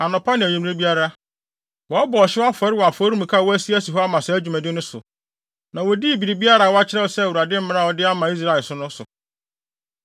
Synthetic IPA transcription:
a˨nʊ̃˨pʰa˦nɪ̃˨ɲũ˨m˦ɾẽ˦bi˦a˦ɾa˦ | wɔ˨˦bɔː˨ɕɪ˦wa˦fɔ˨ɾɪ˦wɔ˨a˨fɔ˦ɾũ˦m˨kʰa˦˨wɔ˦æ˦si˦æ˦si˨ɦɔ˦a˦mã˨sɛ˨æ˦d͡ʑᶣu˨mæ̃˨dɪ˦nʊ̃˦sʊ̰˨ | nã˨wo˨di˦˨bi˨ɾi˨bi˦a˦ɾa˨wɔ˦a˦t͡ɕʰɪ˦ɾɛ˦wɔ˨sɛ˦˨u˨ɾa˨dɪ̃˦m̩˦mɪ̃˦nã˦˨ɔ˨dɪ˦a˦mã˨i˦s̬ɾa˨ɛ˨lsʊ˦nʊ̃˦sʊ̰˨

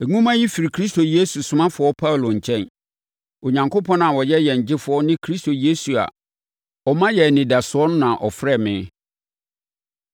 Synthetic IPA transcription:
ɛ˨ŋũ˦mã˦ji˦fi˨ɾi˨kʰɾi˦sto˨je˦su˨sʊ˨mã˦fʊ˨˦ɔ˦pʰa˦˨lo˨ɲ̩˨t͡ɕʰɛ̃˦n | o˨ɲã˨ŋkʰo˦pʰɔ̃˦nã˨wɔ˨jɛ˦jɛ˨ɲ̩˨d͡ʑɪ˦fʊ˨˦ɔ˦nɪ̃˦kʰɾi˦stʰo˨je˦su˨a̰˨ | ɔ˨mã˦jɛ˨nɪ̃˨da˨sʊ˨ɔ˦nʊ̃˦nã˨ʔɔ˨fɾɛ˦˨mɪ̃˨˦

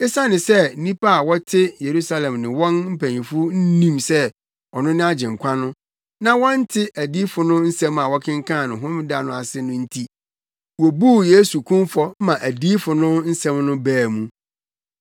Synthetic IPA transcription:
ɪ˦sa˦nɪ̃˨sɛ˦˨nĩ˦pʰa˦a˨wɔ˦tʰɪ˦je˨ɾu˦sa˦lɛ̃˨mnɪ̃˨wɔ̃˦nm̩˦pʰæ˨ɲĩ˨fʊ˦n̩˦nĩ˦msɛ˦ | ɔ˨nʊ̃˦nɪ̃˦a˦d͡ʑɪ̃˨ŋ̩˨kʷʰa˦nʊ̃˦ | nã˦wɔ̃˦n˦tʰɪ˦ʔæ˨di˦fʊ˨nʊ̃˦n̩˦sɛ̃˦ma˨wɔ˦kʰɪ̃˦ŋ̩˦kʰã˦˨nʊ̃˨ɦʊ̃˦mɪ˦da˨nʊ̃˨a˨sɪ˦nʊ̃˦n̩˦tʰi˦ | wɔ˨bu˦˨je˦su˨kʰũ˦mfɔ˦mã˨ʔæ˨di˦fʊ˨nʊ̃˦n̩˦sɛ̃˦mnʊ̃˦bæː˨mũ˦

